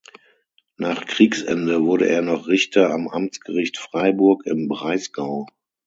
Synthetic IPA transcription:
naːχkʁ̥iːksɛ̰ndəvʊɐɾəʔeːɐnɔχʁɪçtʰɐamʔamt͡sɡ̥əʁɪçtfʁ̥aɪbʊɐkɪmbʁaɪsɡ̥aʊ

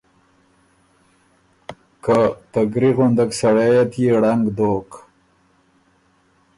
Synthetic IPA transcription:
kat̪aɡɾiɣʊnd̪aksaɽejat̪jeɽaŋɡd̪oːk

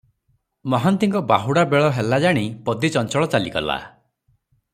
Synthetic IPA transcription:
mɔɦant̪iŋkɔbaɦuɽabeɭɔɦelad͡ʒaɽ̃ipɔd̪it͡ʃɔnt͡ʃɔɭɔt͡ʃaliɡɔ̰la̰

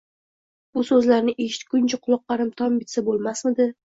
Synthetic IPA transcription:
b̥ʊsɵzlaɾnɪʔe̞ʃɪ̥t̪̚kʊnt͡ʃʰaqʰʊlˠɒq̚ːɑɾɪmt̪ʰɒmbɪt̪sabolˠmasmɪd̪ɪ

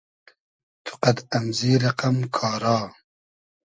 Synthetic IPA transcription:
t̪ʰu̥qɐd̪ɐmziːɾɐqɐmkʰɑːɾɑː

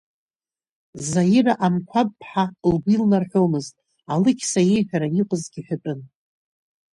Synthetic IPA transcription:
zajɪraʔamkʷʰapʼpʰʼːħalɡʷilnarħʷᶣo̞mɨztʼ | alɨkʲʰsaje̞jħʷᶣaɾaiqʷʼʊzɡʲiħʷᶣapʼɨn

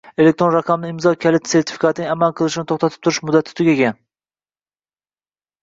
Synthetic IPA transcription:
e̞lek̚t̪ɾonɾɑqʰɑmnɪɪmzɒkʲʰalɪt̪se̞ɾt̪ʰɪ̥fi̥kʰat̪ʰɪnɪŋamalˠqʰɨlˠɪʃɪnɪt̪ʰoχt̪ʰat̪ʰɪ̥t̪ʰʊɾɪʃmʊd̪ːat̪ʰɪt̪ʰʊɡʲeɡʲan

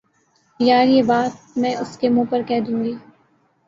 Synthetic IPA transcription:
jaːɾjeːbaːt̪̚mɛ̃ːʔʊskemũːpɐɾkɛɦd̪ũːŋɡiː

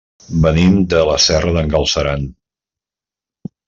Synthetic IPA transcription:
bənimd̪ələsɛrəðəŋɡəlˠsəɾan

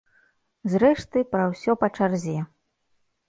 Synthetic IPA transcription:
zɾɛʂt̪ɨpɾɐwsʲɔpɐt͡ʂarzʲɛ

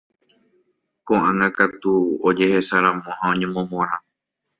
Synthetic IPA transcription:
kõʔãŋãkat̪uod͡ʒe̞he̞saɾãmõɦãõɲẽmõmõɾ̃ã

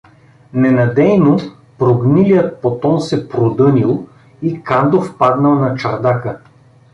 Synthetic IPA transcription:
nɛnɐd̪ɛjno | pɾoɡnilijət̪̚pot̪ɔnsɛpɾod̪ɤnʲilˠ | ikand̪ofpad̪nəlˠnɐt͡ʃɐɾd̪akə

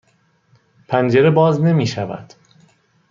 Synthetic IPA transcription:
pʰænd͡ʒeɾebɒːzne̞miːʃævæ̰d̪̥

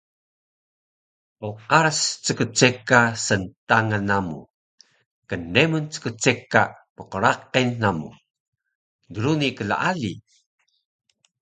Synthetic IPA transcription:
oqaɾast͡səkət͡sekasənt̪aŋanamṵ | kəndemunt͡sə̥kət͡sekaməqəɾaqenːamṵ | dəɾunikəla̰ʔalḭ

